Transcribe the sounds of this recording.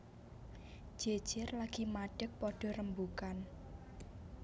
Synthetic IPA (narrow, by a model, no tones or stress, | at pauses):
d͡ʒ̥e̥ʒ̥ɪrlaɡ̥imaɖ̥ək̚pɔɖ̥ɔ̤ɾəmbukan